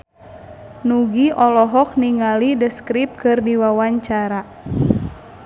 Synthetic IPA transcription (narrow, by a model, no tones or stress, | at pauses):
nuɡiʔɔlɔɦɔk̚niŋalidəskɾip̚kɨrdiwawaɲt͡ʃaɾa